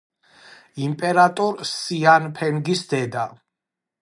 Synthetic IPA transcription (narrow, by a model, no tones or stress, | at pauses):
impʼɛɾat̪ʼɔɾsianpʰɛŋɡisd̪ɛd̪a